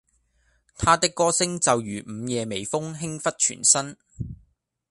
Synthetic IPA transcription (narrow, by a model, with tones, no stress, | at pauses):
t̪ʰaː˥t̪ɪ˥kːɔː˥sɪ˥ŋt͡sɐ˨wjyː˨˩m̩ː˨˧jɛː˨˧me˨˩jfʊ˥ŋɦɪ˥ŋfɐ˥t̚t͡ʃʰy̰ː˨˩nsɐ˥n